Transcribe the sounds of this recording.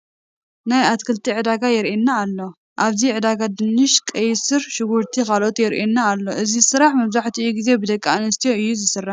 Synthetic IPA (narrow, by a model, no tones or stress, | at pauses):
najat̪kʰɨlt̪ʰiʕɨd̪aɡajɛɾʔenːaːlːo̞ | ʔaβziʕɨd̪aɡad̪ɨnːɨʃkʼɐjsɨɾʃɨɡuɾt̪ʰikʰalʔo̞t̪jɛɾʔenːaːlːo̞ʔɨzizɨsɨɾaħmɐβzaħt̪ʰiɨjuɡize̞bɨd̪ɐkʼːanɨst̪ʰijo̞ɨjːuzɨsɨrːaħ